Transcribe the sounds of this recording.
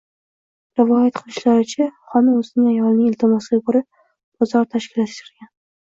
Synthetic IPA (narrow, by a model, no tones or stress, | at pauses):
ɾɪvɒjat̪̚qʰɨlˠɪʃlaɾɪt͡ʃʰaχɒnɪmɵzɪnɪŋajɒlˠnɪŋɪlt̪ʰɪmɒsɪɡʲabʊɾɪp̚ | b̥ɒzɒɾt̪ʰaʃkʲɪlat̪ʃɾɪɾɡʲan